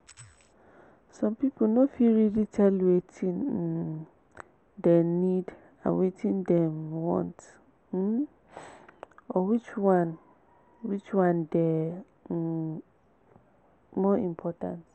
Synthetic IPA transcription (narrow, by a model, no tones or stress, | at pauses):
sɔ̃mpipʰonofiɹiditʰɛlwetʰĩn | dɛnid | ã̰nwetʰĩndɛ̃mwɔ̰̃nt̩ | ɔwit͡ʃwãn | wit͡ʃwãndɛ | mɔĩmpʰɔtã̰nt